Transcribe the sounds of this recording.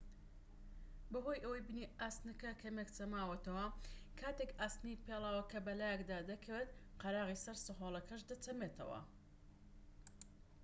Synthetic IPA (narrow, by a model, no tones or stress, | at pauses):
bɐɦo̞jʔɐwɐjbɨniʔaːst̪nɐkɐkʰɐmekt͡sɐmaːwɐt̪ɐwɐkʰaːt̪ekaːst̪nijpelˠaːwɐkʰɐbɐlaːjɛkd̪aːd̪ɐkʰɐwet̪qɐɾɑːʁisɐɾsɨɦoːlˠɐkɐʃd̪ɐt͡sɐmet̪ʰɐ̰wɐ̰